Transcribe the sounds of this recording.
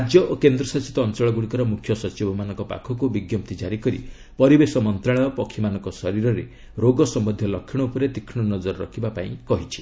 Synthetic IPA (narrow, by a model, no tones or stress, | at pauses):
ad͡ʒjɔʔokend̪ɾɔsɔt͡ʃit̪ɔːnt͡ʃɔɭɔɡuɽikɔɾɔmukʰjɔsɔt͡ʃibɔmanɔŋkɔpa̰kʰɔkubiɡjɔp̚t̪id͡ʒaɾikɔɾḭ | pɔɾibesɔmɔnt̪ɾaɭɔjɔpɔkʰːimanɔŋkɔsɔɾiɾɔɾe | ɾoɡɔsɔmɔd̪ʱjɔlɔkʰːiɽ̃ɔupɔɾed̪ikʰːɽ̃ɔnɔd͡ʒɔɾɔɾɔkʰibapaĩkɔɦit͡ʃʰi̥